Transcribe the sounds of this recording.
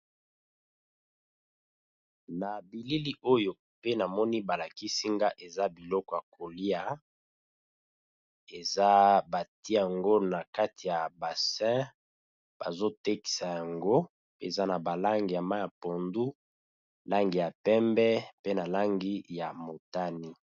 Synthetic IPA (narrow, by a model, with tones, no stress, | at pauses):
na˨bi˨li˦li˦ʔo˦jo˨ | pe˦na˨mɔ˦ni˦ba˨la˨ki˦si˦ŋɡa˦ʔe˨za˦bi˨lɔ˦kɔ˨ja˨kʰo˨li˦a˦ | e˨za˦ba˨ti˦ja˨ŋɡo˦na˨ka˦ti˨ja˨ba˨sɛ̃˦ | b̥a̰˨zo˦te˦ki̥˨sa˨ja˨ŋɡo˦ | pe˦e˨za˦na˨ba˨la˦ŋɡi˨ja˨ma˦ja˨po˨ndu˦ | la˦ŋɡi˨ja˨pɛ˦mbɛ˦pe˦na˨la˦ŋɡi˦ja˨mo˨ta˦ni˦